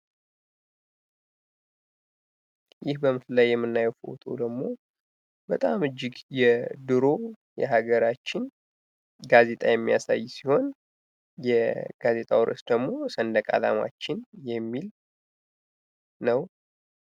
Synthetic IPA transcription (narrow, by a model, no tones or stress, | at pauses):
jɪhbəmɨflajːɛmːɨnːajfo̰wt̪ʰo̰d̪əɡmo̞ | bət̪ʼamɨd͡ʒːɪɡjɛd̪ɨɾo̞ | jɛ̰ɦaɡəɾat͡ʃːɪn | ɡaze̞t̪ʼajɛmːijasa̰jːsiho̞n | jɛɡ̥aze̞t̪ʼawɾʔɨ̰sd̪əɡmo̞sənd̪əkʼa̰la̰ma̰t͡ʃːɪnjɛmːil | nəw